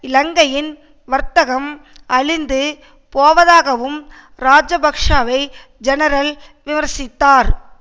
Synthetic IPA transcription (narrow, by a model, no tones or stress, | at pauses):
ɪlɐŋɡɐjɪn | ʋɐɾt̪ɐɣɐm | ɐɻɪnd̪ɯ | poːʋɐðaːɣɐʋɯm | ɾaːd͡ʒɐbɐkʂaːʋɐɪ | d͡ʒɛnɐɾɐl | ʋɪmɐɾsɪt̪ːaːɾ